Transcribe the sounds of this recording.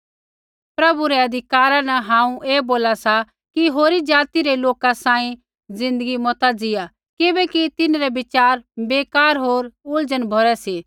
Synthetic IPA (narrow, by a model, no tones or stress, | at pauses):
pɾɐbuɾɛɐd̪ʱɪkaːɾãnɐɦãːũʔeːboːlasa | kiɦoːɾid͡ʒaːt̪iɾeloːkasãːĩ | zɪ̃nd̪əɡimɔt̪ad͡zɪja | kɪbɛkit̪ɪnɾɛbɪt͡ʃaːɾbeːkaːɾɦoːɾʊld͡ʒənbʱɔɾɛsiː